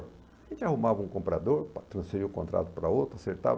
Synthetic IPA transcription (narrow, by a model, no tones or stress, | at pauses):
ʒẽnt͡ʃɪahumavɐũkõpɾad̪oɾt̪ɾɐ̃sfeɾiukõnt̪ɾa̰t̪ʊ̥pɾɐowt̪ɾaseɾt̪a̰v